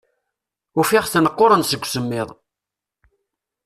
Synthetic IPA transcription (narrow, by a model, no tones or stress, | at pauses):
ʊfɪʁθnəqːoɾənsəɡʷsəmːɪðˤ